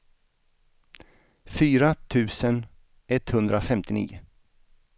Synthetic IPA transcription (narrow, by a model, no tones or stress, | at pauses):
fyːɾat̪ʰʉ̟ːsən | ɛt̪hɵnd̪ɾafɛmt̪ɪnḭːʊ̰